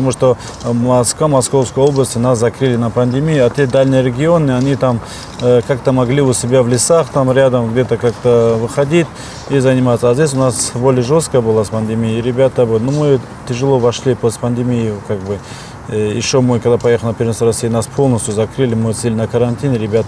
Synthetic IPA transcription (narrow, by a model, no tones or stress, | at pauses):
t̪ɐmuʂt̪o̞ | mɐskvamɐsko̞fskəjo̞blˠəsʲt̪ʲɪnaszɐkɾɨlʲɪnɐpɐnʲd̪ʲɪmʲijʊat̪ʲed̪alʲnɨjəɾʲɪɡʲɪo̞nːɨɐnʲit̪am | kak̚t̪əmɐɡlʲiʊsʲɪbʲavlʲɪsaχt̪amɾʲad̪əmɡdʲe̞t̪əkak̚t̪əvɨχɐdʲitʲ | izɐnʲɪmat̪səaːzʲdʲesʲʊnasbo̞lʲɪjəʐo̞st̪̚kəjəbɨlˠaspɐnʲd̪ʲɨmʲijːɾʲɪbʲat̪əbɨnumɨ | t̪ʲɪʐɨlˠo̞vɐʂlʲipost̪pɐnd̪ʲɪmʲijɪkak̚bɨ | ɪ̰ʃːomɨkɐɡd̪apɐjexəlˠnɐpʲɪɾʲvinsɾɐsʲijənaspʰo̞lˠnəsʲt̪juzɐkɾɨlʲɪmɨt̪silʲɪnɐkɐɾɐnʲt̪ʲinɾʲɪbʲat̪ə